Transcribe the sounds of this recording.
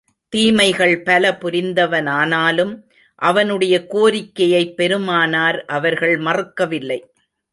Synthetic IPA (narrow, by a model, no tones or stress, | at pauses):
t̪iːmɐɪɣɐɭpɐlɐpʊɾɪnd̪ɐʋɐnaːnaːlɯm | ʔɐʋɐnɯɽɐjɐkoːɾɪkːɐjɐɪpːɛɾɯmaːnaːɾʔɐʋɐɾɣɐɭmɐrɯkːɐʋɪlːɐɪ